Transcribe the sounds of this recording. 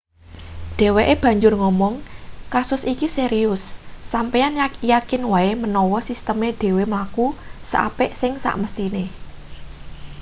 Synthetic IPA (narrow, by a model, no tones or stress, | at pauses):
ɖ̪̥ɛ̤weʔeb̥ä̤ɲd͡ʒʊrŋɔmɔŋkasʊsikiseɾiʊsːampejanajakɪnwaemənɔwɔsist̪əmeɖ̥e̤wemlakusə̰ʔa̰pɪʔsɪŋsa̰ʔməst̪ine